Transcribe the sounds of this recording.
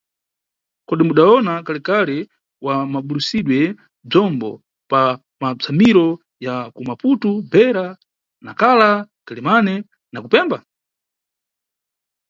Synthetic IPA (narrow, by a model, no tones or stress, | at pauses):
kɔɗimuɗaɔnakalɛkalɛ | wamaɓulusiɗwɛ | b͡ʐɔmbɔ̰ | pa | mab͡ʐʰamiɾɔ | jakumaputubɛɾa | nakalaɡ̥alimanɛ | nakupɛmba